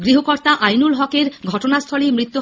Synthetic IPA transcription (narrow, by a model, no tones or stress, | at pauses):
ɡɾiɦokɔɾt̪aʔajnulɦɔkeɾɡʱɔʈonast̪ʰɔɭimɾit̪ːu